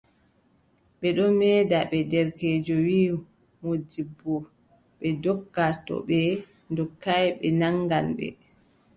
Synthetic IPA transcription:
ɓɛɗɔmɛːdaɓɛdɛɾkeːd͡ʒɔwiː | modibːɔ | ɓɛdɔkːatɔ̰ɓɛ | ndɔkːajɓɛnaŋɡanɓɛ̰

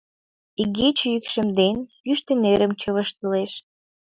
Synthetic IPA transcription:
iɡet͡ɕjykʃə̆md̪enjyʃt̪ə̆neɾəmt͡ɕəβəʃt̪ə̆leʃ

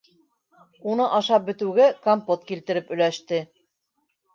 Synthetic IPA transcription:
unɤʔɑʃɑp̚bɘ̆t̪ʉwɡɘkampot̪̚kilt̪ɘ̆ɾɘpɵ̆jlæʃt̪ɘ

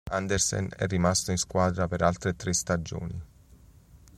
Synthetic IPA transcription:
and̪ersɛ̰nɛ̰rːimast̪oinskwaːd̪ɾapeɾalt̪ɾet̪ɾest̪ad͡ʒo̰ːni

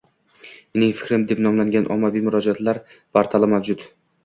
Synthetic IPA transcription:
enɪŋfɪ̥kʲɾɪmd̪e̞pnɒmlaŋɡʲanʔɒ̰mːavimʊɾɒd͡ʒat̪laɾ | b̥aɾt̪ʰalɪmavd͡ʒʊt̪

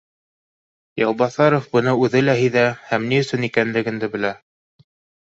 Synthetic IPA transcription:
jɑlˠbɑθɑɾofbɤ̆nɤʉðɘlæɦijðæhæmniɵ̆sɵnikænlɘ̆ɡɘ̆nd̪ɘbɘ̆læ

